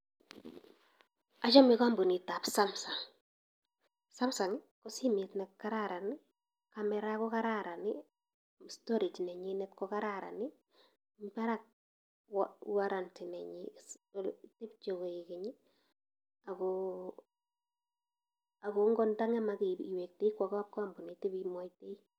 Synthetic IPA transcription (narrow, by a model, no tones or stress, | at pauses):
at͡ʃamikambunitapsamsa | samsanikɔsimitnɛkkːaɾaɾani | kamɛɾakɔkaɾaɾani | stɔɾit͡ʃnɛɲinɛtkɔkaɾaɾa̰ni | mbaɾak̚ | waɾantinɛɲi | tip̚t͡ʃokoikɪɲi | ako | akoŋɡɔndaŋɛmakiiwek̚teikwakːp̚kɔambunitibimɔjtei